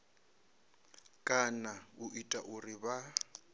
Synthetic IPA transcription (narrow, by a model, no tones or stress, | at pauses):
kʼanaʊʔitʼaʔʊrɪba